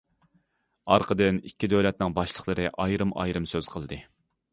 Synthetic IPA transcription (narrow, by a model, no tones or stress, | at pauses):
ɑɾqʰəd̪ɨnikʲːid̪øwlɛt̪̚nɪŋbɑʃlˠəχlˠəɾɨʔɑjɾɨmʔɑ̰jɾɨmsøz̥qʰəlˠd̪ɨ